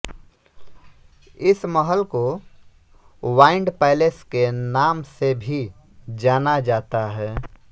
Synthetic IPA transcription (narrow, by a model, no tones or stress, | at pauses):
ɪsməɦəlko | waːɪ̃ɳɖpɛːɪleskenaːmsebʱi | d͡ʒaːnad͡ʒaːt̪aɦɛː